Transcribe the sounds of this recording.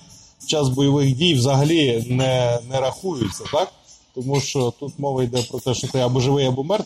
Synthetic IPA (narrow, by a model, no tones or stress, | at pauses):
t͡ʃɑzbɔjɐʋɪxdʲijwzɐɦɐlʲinɛnɛɾɐxujʊt͡sʲːɐt̪ɑk̚t̪ɔmuʃt͡ʃɔt̪ut̪mɔʋɐjd̪ɛpɾɔt̪ɛʃɔt̪ɛɐbɔʒɪʋɪjɐbɔmɛrt̪